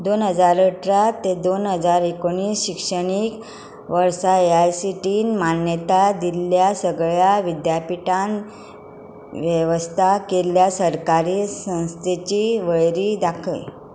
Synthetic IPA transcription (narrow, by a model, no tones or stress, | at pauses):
d̪onɦəd͡zaɾəʈɾat̪ːed̪onɦəd͡zaɾɦekoɳ̃iːsɕikʂəɽ̃ik | ʋəɾsaeajsiʈiːnmanjət̪ad̪iljasəɡɭjaʋid̪japiʈan | ʋjəʋəst̪ʰakeljasəɾkaɾiːsə̃w̃st̪ʰet͡ɕiːʋəɭɾiːd̪akʰə̰j